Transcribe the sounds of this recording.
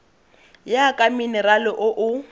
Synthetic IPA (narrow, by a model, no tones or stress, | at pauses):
jakʼamɪnɪralɪʔʊʔʊ